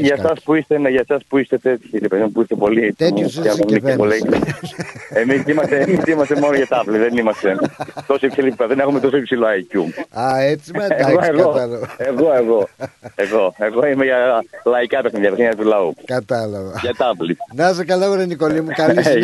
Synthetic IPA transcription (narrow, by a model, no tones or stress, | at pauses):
ʝɐsɐspuist̪eneʝɐsɐspuist̪et̪et̪çiɾepe̞ðimupuist̪epo̞liet̪usomnikole | emisimɐst̪emisimɐsemo̞noʝɐt̪ɐvliðenimɐst̪et̪o̞soipsilippeðenexumet̪o̞soipsiloɐjcuɐet͡siɐeɣoeɣoɐloeɣo̞eɣo̞eɣo̞e̞ɣoimeʝɐlɐikɐpexniðjɐpseɲɐt̪ulɐukɐt̪ɐloɣɐʝɐt̪ɐvlinɐzɐkɐlɐoɾɐnikolimukɐlis